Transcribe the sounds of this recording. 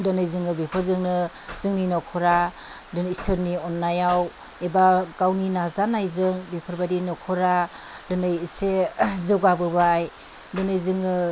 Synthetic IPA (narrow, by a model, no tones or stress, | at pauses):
dɯnɯjzɯŋɯbipʰɯɾzɯŋnɯ | zɯŋninɔkʰɔɾa | dɯnisɯɾniɔnːajaw | ebakawninazanajzɯŋbipʰɯɾbadinɔkʰɔɾa | dɯnɯjisezɯwɡabɯbaːj | dɯnɯjzɯŋɯ